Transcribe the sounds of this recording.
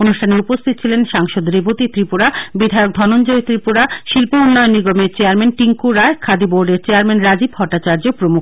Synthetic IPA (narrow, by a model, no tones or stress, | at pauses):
onuʃʈʰaneupost̪ʰit̪o̥t͡ɕʰilenʃaŋʃod̪ɾebʱot̪it̪ɾipuɾabid̪ʱaeok̚d̪ʱɔnond͡ʑoet̪ɾipuɾaʃilpounːɔeonːiɡomeɾt͡ɕeaɾmenʈiŋkuɾaekʰad̪iboɾɖeɾt͡ɕeaɾmenɾad͡ʑibɦɔʈːat͡ɕaɾd͡ʑopɾomu